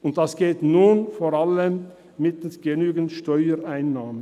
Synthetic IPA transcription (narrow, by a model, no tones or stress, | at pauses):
ʔʊnt̚d̥asɡ̥eːtnuːnfoːɾaləm | mɪtsɡ̥ənyːɡəntʃtɔʏəɾʔaɪnːaːmən